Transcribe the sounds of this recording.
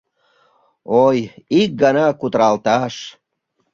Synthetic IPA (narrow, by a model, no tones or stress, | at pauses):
ojik̚ɡɑnɑkut̪əɾɑlt̪ɑʃ